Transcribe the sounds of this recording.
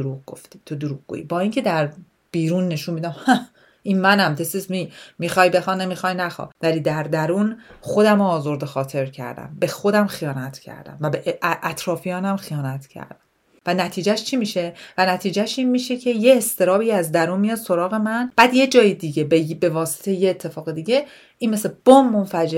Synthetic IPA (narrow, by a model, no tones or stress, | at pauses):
oɾuɣɡo̞̰ft̪i̥ːt̪ʰo̞d̪oɾuɡɡo̰ḭbɒːiːŋcʰe̞d̪æɾ | b̥iːɾuːnːe̞ʃunmiːd̪æmhæ | ʔiːnmænæmd̪esesmimixɒjbe̞xɑːnːemixɒjnæxɒ̰væliːd̪æɾd̪æɾunxo̞d̪æmoːzo̞ɾd̪exɒːt̪ʰe̞ɾcʰæ̰ɾd̪æ̰mbe̞xo̞d̪æmxijɒːnæt̪ʰcʰæ̰ɾd̪æ̰mvæbeʔʔʔæt̪ʰɾɒːfijɒːnæmxijɒːnæt̪ʰcʰæ̰ɾd̪̥æm | vænæt̪ʰiːd͡ʒæʃt͡ʃʰimiːʃe̞vænæt̪ʰiːd͡ʒæʃinmiʃecʰe̞je̞ːst̪ʰe̞ɾɒːbiːæzd̪æɾuːnmijɒd̪̥so̞ɾɒːɣe̞mænb̥æːd̪je̞d͡ʒɒːjed̪iɟebebe̞vɒːse̥t̪ʰejejeːt̪ʰːe̞fɒːɣed̪iːɟe̞ | ʔinmeseb̥omːonfæd͡ʒe